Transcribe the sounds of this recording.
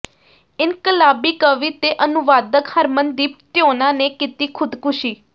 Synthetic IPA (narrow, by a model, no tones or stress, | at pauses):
ɪnkəlaːbiːkəʋiːt̪eːʔənʊʋaːd̪əkhəɾmənd̪iːpt̪joːnãːneːkit̪iːkʰʊd̪kʊʃiː